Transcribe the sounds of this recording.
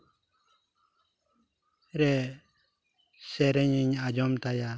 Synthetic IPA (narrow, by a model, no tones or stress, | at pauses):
ɾɛ | sɛɾɛɲiɲad͡ʒɔmt̪aja